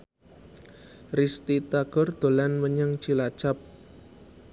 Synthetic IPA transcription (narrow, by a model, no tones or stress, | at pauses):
rist̪it̪aɡ̥ɔrd̪̥o̤lanməɲaŋt͡ʃilḁt͡ʃap̚